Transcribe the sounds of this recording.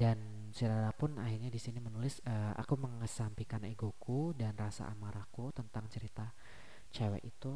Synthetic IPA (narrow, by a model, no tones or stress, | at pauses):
dan | səɾaɾapʊnaɦirɲadisinimənulɪsəʔa̰kuməŋəsampikaneɡokudanrasa̰ʔamaɾakut̪ənt̪aŋt͡ʃəɾit̪a | t͡ʃawɛ̰ʔit̪u